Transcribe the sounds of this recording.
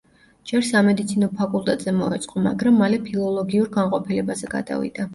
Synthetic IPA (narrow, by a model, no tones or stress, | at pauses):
d͡ʒɛɾsamɛd̪it̪sʰinɔpʰakʼulˠt̪ʼɛt̪ʼz̥ɛmɔɛt̪sʼqʼɔma̰ɡɾamːalɛpʰilˠɔlˠɔɡiuɾɡanqʼɔpʰilɛbazɛɡa̰d̪̥a̰vḭd̪̥a